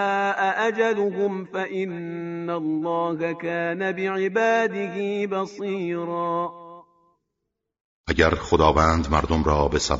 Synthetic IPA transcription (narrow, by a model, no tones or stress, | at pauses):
aːʔaʔad͡ʒad̪ʊɦʊmfaʔɪnːalːɑːhakaːnabɪʕɪbaːd̪ɪɦiːbɑsˤiːɾˤɑː | ʔæɟæɾxod̪ɒːvænd̪mæɾd̪omɾɒːbe̞sæ̰